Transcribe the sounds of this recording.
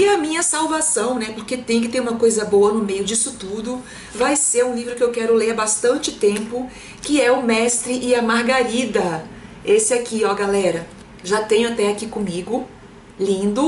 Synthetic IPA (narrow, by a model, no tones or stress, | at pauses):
ɪɐmĩɲɐsawvasɐ̃w̃nɛpoɾket̪ẽj̃ʊ̃kɪt̪eɾũmɐkojzɐboɐnʊmejʊd͡ʒisʊt̪ud̪ʊ | vajseɾũlivɾʊkɪewkɛɾʊleɾɐbast̪ɐ̃nt͡ʃɪt̪ẽmpʊ | kɪɛʊmɛst̪ɾɪʔɪɐmaɾɡaɾid̪ɐesɪakiɔɡalɛɾɐ | ʒat̪ẽɲʊat̪ɛakikõmiɡʊ | lĩnd̪ʊ